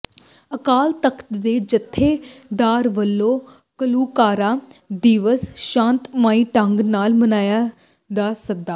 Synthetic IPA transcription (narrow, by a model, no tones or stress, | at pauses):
əkaːlt̪əkʰt̪d̪eːd͡ʒət̪ʰːeːd̪aːɾʋəlːõː | kəluːkaːɾaːd̪iːʋəsʃãːnt̪maːĩːʈəŋɡnaːlmənaːjaː | d̪aːsək̚d̪aː